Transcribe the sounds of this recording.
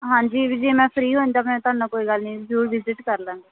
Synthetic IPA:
ɦãːɲd͡ʒiːʋɪd͡ʒiːmɛ̃ːpʰɾiːɦoːnd̪aːpnɛ̃t̪ʊaːnãːkoːiːɡəlnĩːd͡ʒuːɾʋɪzɪʈkəɾlɛ̃ːnd̪aː

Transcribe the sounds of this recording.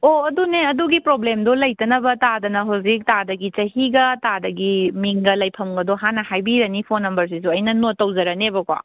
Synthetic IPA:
oɐduneɐduɡipɾoblemdolɐjtɐnɐbɐtadɐnɐɦawzik̚tadɐɡit͡ʃɐɦiɡɐtadɐɡimiŋɡɐlɐjpʰɐmɡɐdoɦanɐhajbiɾɐnipʰonːɐmbɐɾs̬isuɐjnɐnotːɐwzɐɾɐnebɐkwa̰

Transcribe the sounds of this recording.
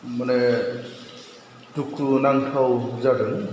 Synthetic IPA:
manɛ | tukʰunaŋtʰawuzadɛn

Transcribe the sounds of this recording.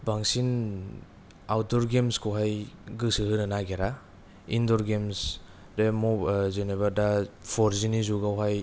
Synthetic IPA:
baŋsin | awdɔɾɡemskʰuɦajɡɯsɯɦɯnɯnaɡeɾa | indɔɾɡems | ɾemɔzenebaɾdapʰɔɾzinizuɡawɦaj

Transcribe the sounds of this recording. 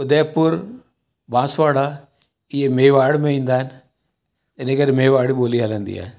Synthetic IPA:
ʊd̪ɛːpːʊɾ | bãːsʋaːɽaː | iemeːʋaːɽmẽːĩːnd̪aːɦn | enẽːkəɾmeːʋaːɽiboːliːɦalɛ̃ːnd̪ḭːɛ̰ː

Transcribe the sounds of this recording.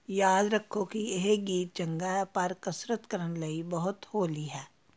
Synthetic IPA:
jaːd̪ɾɐkʰːokieɦeɡiːt̪̚d͡ʒɐ̃ŋɡapɐɾkɐsɾət̪kəɾənlɐibɐɦʊt̪hoːliɦɛː

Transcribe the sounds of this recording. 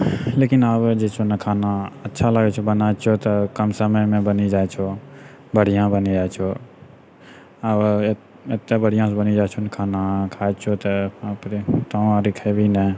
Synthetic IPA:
leːkɪnabd͡ʒeːt͡ʃʰonəkʰaːnaətːʃʰalaɡet͡ʃʰobənat͡ʃʰot̪ɐkəmsəməjmẽbənid͡ʒaːjt͡ʃʰoː | bəɽ̤ijãbənid͡ʒaːɛt͡ʃʰoː | ə | ɪt̪ːebəɽ̤ɪjãsbənid͡ʒaːt͡ʃʰonəkʰaːnakʰaːet͡ʃʰot̪əpɾit̪ãaɾikʰəebʱinɛ

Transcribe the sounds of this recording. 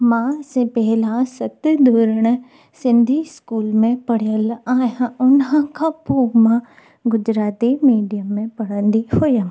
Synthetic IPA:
mãːsepɛɦɪlãsɐt̪d̪ʱoːɾəɽ̃ | sɪ̃nd̪ʱiskuːlmẽpɐɽ̤ijəlaːjãʊnɦãkʰãpoːmã | ɡʊd͡ʒɾaːt̪imiːɖijəmːẽpɐɽə̃nd̪ihoːjə

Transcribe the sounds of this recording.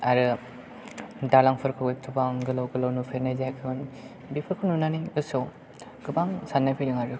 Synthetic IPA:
aɾɯ | dalaŋpʰɯɾkʰɯwɡek̚tʰɯbaŋɡɯlawɡɯlawnupʰeɾnajzakʰɯɡɯn | bipʰɯɾkʰɯnunaniɡɯso | ɡ̥ɯbaŋsanːapʰilɯŋaɾɯ

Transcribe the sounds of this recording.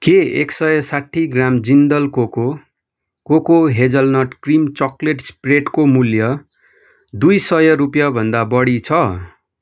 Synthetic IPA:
keḛksʌjʌsaʈʰːiɡramd͡zind̪ʌlkoko | kokoɦed͡zʌlnʌʈkrimt͡sʌkleʈspreʈkomuljʌ | d̪ujsʌjʌɾupjʌbʱʌnd̪abʌɽit͡sʰʌ

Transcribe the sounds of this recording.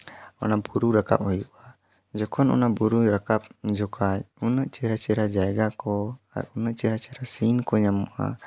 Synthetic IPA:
ɔ̰nabuɾuɾaka̰p̚hɔjuʔa | d͡ʒɔkʰɔnɔ̰nabuɾuɾakap̚d͡ʒɔkat͡ʃ̚unəʔt͡ʃɛɾat͡ʃɛɾad͡ʒajɡakɔ | a̰ɾunəʔt͡ʃɛɾat͡ʃɛɾasinkɔɲamuʔa̰

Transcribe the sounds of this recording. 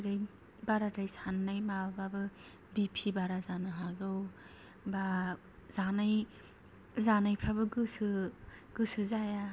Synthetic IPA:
ɾaj | baɾatajsanːajmabbabɯ | bipʰibaɾazanɯɦaɡɯw | ba | zanaj | zanajpʰɾabɯɡɯsɯ | ɡ̥ɯsɯzaja

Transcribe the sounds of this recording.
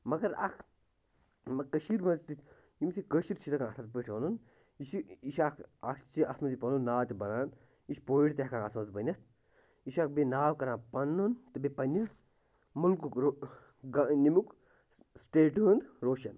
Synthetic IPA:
mɐɡɐɾa̰kʰ | mɐkɐʃiːɾbɐnzt̪it̪ʰʲ | jimsʰikəʃiɾt͡ʃʰit̪ɐkãnɐt̪ʰat̪̚pəʈʰɐnun | iʃiiʃakʰakt͡ʃiʔɐsʰmɐt̪ipɐnunnːaːt̪ʲibɐnaːn | iʃpoiʈʲt̪ʲakʰanɐt̪mɐzbɐnʲɐt̪ʰ | iʃak̚benaːwkɐɾãːpɐnːunt̪ɨbepɐnʲja | mulkuk | ɡɐnimuk | sʈeːʈund̪ɾoːʃɐn

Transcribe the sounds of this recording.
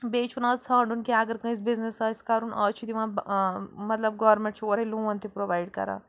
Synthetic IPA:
beːt͡ʃʰunaːzsãːɳɖʊnkeaːɡəɾkɐ̃is̬bɪznɪsaːɪskaːɾunaːt͡ʃʰid̪iʋãbmɐt̪ləb̚ɡɔːʋəɾmẽɳʈt͡ʃʰoːɾelũːʋɐ̃nt̪ʰipɾoːʋaːɪɖ̚kɐ̰ɾã̰ː

